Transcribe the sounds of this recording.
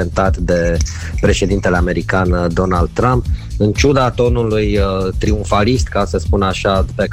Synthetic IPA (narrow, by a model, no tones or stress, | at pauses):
ent̪at̪d̪e̞ | pɾe̞ʃe̞d̪int̪e̞le̞ame̞ɾikand̪o̞nald̪̚t̪ɾampɨnt͡ʃud̪at̪o̞nulujt̪ɾiuɱfalist̪kasəspunaʃape